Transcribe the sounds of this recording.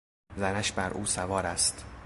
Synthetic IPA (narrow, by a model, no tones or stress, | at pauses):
zænæʃbæɾʔuːsævɒːɾæst̪